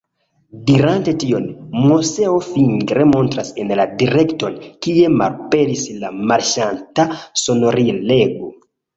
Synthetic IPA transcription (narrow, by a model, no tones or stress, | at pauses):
diɾantetionmoseofiŋɡɾemontɾasenladiɾektonkiema̰lpeɾislamaɾʃantasono̞ɾileɡo